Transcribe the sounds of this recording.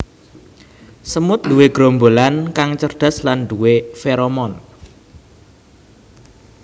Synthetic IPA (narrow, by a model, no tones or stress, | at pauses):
səmʊt̪̚d̥̪uweɡ̥ɾombolankaŋt͡ʃərɖ̪̥a̤sland̪̥uwefeɾomɔn